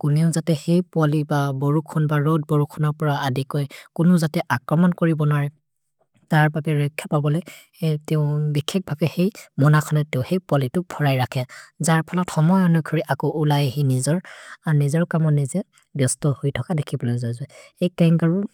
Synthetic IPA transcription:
kunɛʊzatɛxejpʊalibaboɹukʰɔnbaɹod̚boɹukʰɔnɔɹpɔɹaadikɔjkʊnɔzatɛʔakɹɔmɔnkoɹibɔnwaɹɛ | taɹbabɛɹɔjkʰjapabɔlɔj | tɛʊbikʰːek̚bʱabɛxejmɔnakʰɔnɛtɛʊ̃xejpʊalitʊbʰʱɔɹajɹakʰɛzaɹpʰɔlɔtxɔmɔjɔnɔkʰɔɹiʔakɔʔulajeɦinizɔɹanizɔɹkamɔnizɛ | bjɔstɔhojtʰɔkadekʰibɔlɔjzajzaejkaŋɡaɹu

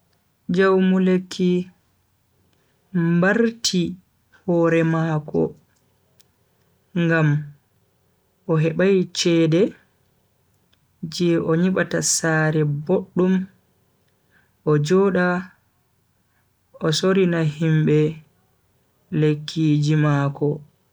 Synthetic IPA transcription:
d͡ʒawmulekʰːi | mbaɾtʰi | hɔːɾɛmakɔ̰ | ŋɡam | ʔɔɦɛɓajt͡ʃɛːdɛ | d͡ʒɛʔɔɲiɓatasaːɾɛboɗːum | ʔɔd͡ʒɔːɗa | ɔsoɾinahimbɛ | lekʰːid͡ʒimaːkɔ

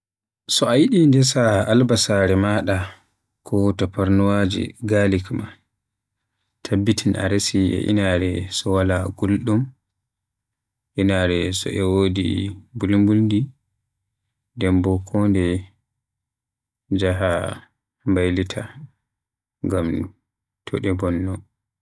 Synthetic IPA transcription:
sɔajiɗindɛs̬aalbasaɾɛmaɗa | kʰɔtapaɾnuwad͡ʒḭɡalikma | tʰabːitʰina̰ɾesiʔɛ̰ʔḭnaɾɛsɔwalaɡulɗum | ʔinaɾɛsɔ̰ʔɛwodḭbulmbulndi | dɛmbɔkʰɔndɛ | d͡ʒaɦa | mbajlitʰa̰ | ŋɡam | tʰɔɗɛbɔnːɔ

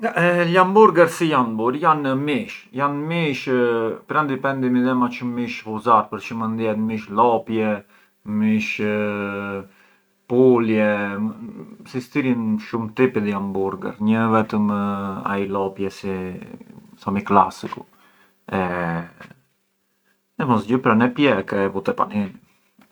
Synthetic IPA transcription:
alambuɾɡəɾsijanbuɾjanəmiʃjanmiʃpɾand̪ipɛnd̪imiðɛmat͡ʃəmiʃhuzaɾpəɾt͡ʃəmənd̪jɛt̪miʃlɔpjɛ | miʃ | puljɛ | sist̪iɾinʃumt̪ipiðiambuɾɡɛ̰ɾɲəvɛt̪əma̰ilɔpjɛsi | sɔmikla̰siku | ɛ | ɛmɔsɟəpɾanɛpjɛkɛvut̪ɛpa̰nini

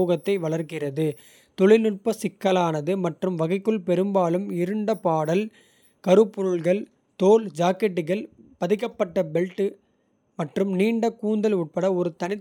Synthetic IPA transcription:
oːɣɐt̪ːɐɪʋɐɭɐɾkɪrɐðɯ | t̪ɔɭɪnʊʈ̚pɐsɪkːɐlaːnɐðɯmɐʈrɯmʋɐɣɐɪkːɯɭpɛɾɯmbaːlɯmɪɾɯɳɖɐpaːɽɐl | kɐɾɯpːɔɾɯɭɣɐɭ | t̪oːld͡ʒaːkːɛʈːɯɣɐɭpɐðɪkːɐpːɐʈːɐbɛlʈːɯ | mɐʈrɯmniːɳɖɐkuːnd̪ɐlʊʈ̚pɐɽɐɔɾɯt̪ɐnɪ

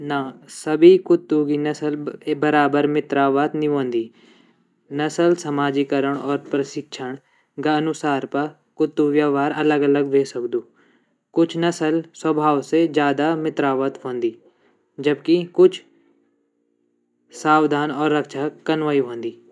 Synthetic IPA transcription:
naːsəbiːkʊt̪ːuːɡiːnəsəlːbəɾaːbəɾmɪt̪ɾaːʋət̪nĩɦõːnd̪iː | nəsəlsəmaːd͡ʒiːkəɾəɳɔːɾpɾəsɪkʃʰəɳ̃ | ɡanʊsaːɾpə | kʊt̪ːuːʋjaːʋaːɾələɡələɡʋeːsəkd̪uː | kʊt͡ʃʰnəsəlswəbʱaːʋsed͡ʒjaːd̪aːmɪt̪ɾaːʋət̪ɦõːnd̪iː | d͡ʒəbkɪkʊt͡ʃʰ | saːʋd̪ʱaːnɔːɾːəkʃaːkənʋaːiɦõːnd̪iː

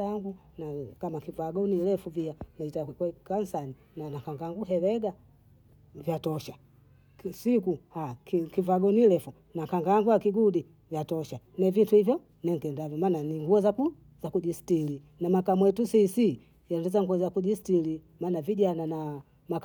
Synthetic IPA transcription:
aŋɡu | nakamakivaɡɔnilɛfuvianaitakwɛkansani | nanakaŋɡaŋɡuɦɛlɛɡa | vjatɔʃa | sikuhakkivaɡɔnilɛfu | nakaŋɡaŋɡuakiɡudi | vjatɔʃa | nɛvintuhivjɔ | nɛŋ̩kɛndavjɔmaːnaniŋɡuɔzaku | zakuʄistili | namakamwɛtusisi | jandɛzaŋɡuɔzakuʄistilimaːnaviɟanana | mak

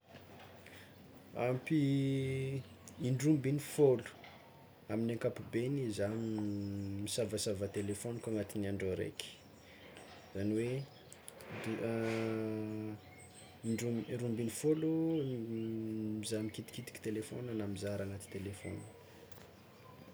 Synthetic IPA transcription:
a̰mpi | iɳɖ͡ʐumbinifolu̥ | aminaŋkapubenizanimisavəsavət̪elefonkaŋat̪inaɳɖ͡ʐoɾḛki̥ | zaniwe | d̪u | iɳɖ͡ʐuɾumbinifolu | mizamikit̪i̥kit̪i̥ki̥t̪elefo̰nanamizaɾaŋat̪i̥t̪elefo̰nə̥

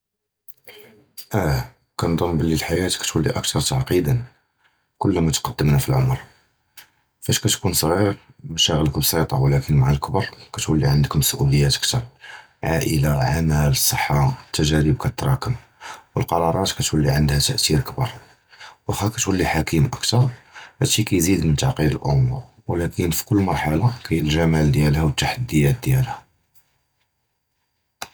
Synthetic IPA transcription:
ʔæ | kænd̪ˤomːbəlːilħajæt̪kæ̥t̪wəlːiʔək̚t̪ɑɾˤt̪aʕqid̪ən | kʊlːmæt̪qɑd̪ːəmnæfilʕomɾ | fæʃkæt̪kunsˤɣiɾ | məʃæɣələkbsˤɑt̪ˤɑ̰wlækənmaʕalkəbɑɾˤkæt̪wəlːiʕənd̪əkʊmsʔuləjːæt̪əkt̪ɑɾˤ | ʕaʔəlaʕamæləsˤːəħːaət̪ːæʒæɾəb̚kæt̪t̪ɾˤɑkəm | wəlqɑɾˤɑɾˤɑt̪kæt̪wəlːiʕənd̪hæt̪æʔt̪iɾkbɑ̰ɾˤ | wʔæxækæt̪wəlːiħakimʔəkt̪ɑɾˤhæʃikæjzid̪mənt̪ɑʕqid̪əlʔʊ̰m | wlækʰənfi̥kʊlːmɑɾˤħalɑkæjəlʒæmæld̪jælhæwət̪ːaħad̪ːəjæt̪̚d̪jælhæ

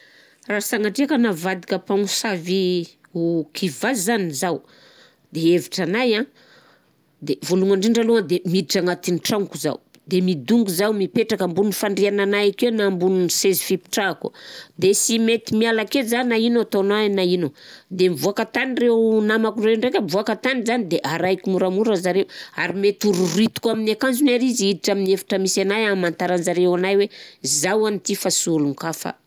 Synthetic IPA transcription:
rasaŋaʈ͡ʂiakənavad̪ikʲapaŋusavi | ukʰivazzanizaw | d̪eeviʈ͡ʂanajã | d̪evoluŋaɳɖ͡ʐiɳɖ͡ʐaluŋəd̪emiʈ͡ʂaŋat̪iniʈ͡ʂaŋkuza̰w | d̪emid̪uŋɡuzawmipeʈ͡ʂakambunifaɳɖ͡ʐiananajakenambununisezi̥fipi̥ʈ͡ʂakṵd̪esimet̪imialakezannainot̪onanainod̪emivuakat̪anirewnamakuɳreɳɖ͡ʐekʲəmvuakat̪anizanid̪eʔaɾajkʲimuɾamuɾəzaɾewa̰ɾimet̪uɾuɾit̪u̥kuaminakand͡ʒunaɾiziid̪iʈ͡ʂaminefḁʈ͡ʂəmisanajamːant̪aɾanzaɾewanajwezawanit̪ifasuluŋkafa̰

